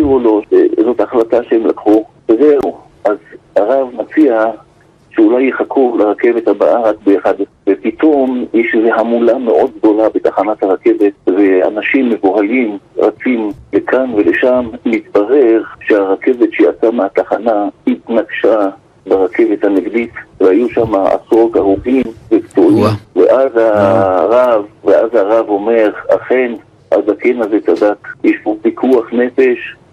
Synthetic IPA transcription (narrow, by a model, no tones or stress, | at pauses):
ivulo̞ʃḛzo̞t̪aχlataʃehemla̰kχu | vezeu | ʔazaʁavmat͡sia | ʃeulajːeχakʰuleʁake̞vet̪haba̰ʔaʁakbeeχad | vepit̪ʰo̞mjɛʃlezeɦamulameʔo̞d̪̚ɡ̚d̪o̞labet̪aχanat̪haʁake̞vet̪̚vea̰naʃimːevuʁalimʁat͡simlekʰanveleʃamːit̪baʁe̞χʃeaʁake̞vet̪ʃejat͡sameat̪aχanahit̪naɡʃa | beʁakʰe̞vet̪haneɡd̪itvehajuʃamaa̰sʁo̞t̪aʁuɡimvekt͡suiavḛʔazhaʁavveʔazaʁavo̞me̞ʁa̰χe̞n | ʔazakenazet͡sad̪akjeʃbobikʰuaχne̞fe̞ʃ